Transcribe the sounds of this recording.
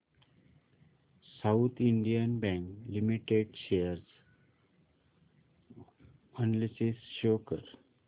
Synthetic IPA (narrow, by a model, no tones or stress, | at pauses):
saut̪ʰiɳɖijənbɛ̃ŋklimiʈeɖɕejəɾs | ɔnlisisɕokəɾ